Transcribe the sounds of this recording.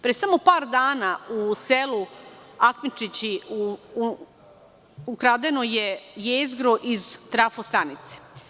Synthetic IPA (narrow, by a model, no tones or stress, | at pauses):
pɾesamo̞paːɾd̪aːnauseluakmit͡ʂit͡ɕiu | ukɾaːd̪enojejeːzɡɾoʔizt̪ɾafost̪ɾanit̪se̥